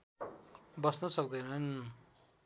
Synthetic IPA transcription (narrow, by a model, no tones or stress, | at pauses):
bʌsnʌsʌk̚d̪ʌjnʌn